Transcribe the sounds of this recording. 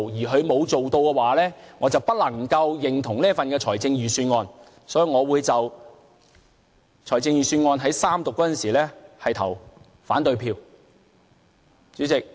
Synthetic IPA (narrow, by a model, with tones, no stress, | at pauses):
jiː˨˩ɦɵ˨˧ɥmo˨˧wt͡so˨wt̪o˧wkɛ˧waː˨˥lɛː˥ŋɔː˨˧t͡sɐ˨wpɐ˥t̚lɐ˨˩ŋkɐ˧wjɪ˨ŋt̪ʰʊ˨˩ŋniː˥fɐ˨nkɛː˧t͡ʃʰɔː˨˩jt͡sɪ˧ŋjyː˨˩syː˧nŋɔː˧n | sɔː˨˥ji˨˧ŋɔː˨˧wuː˨˧jt͡sɐ˨w | t͡ʃʰɔː˨˩jt͡sɪ˧ŋjyː˨syː˧nŋɔː˧nɦɐ˨˥jsaː˥mt̪ʊ˨kːɔː˨˥ɐ˨nsiː˨˩lɛː˥hɐ˨jt̪ʰɐ˨˩w | faː˨˥nt̪ɵ˧ɥpʰiː˧w | t͡syː˨˥t͡sɪ˨k̚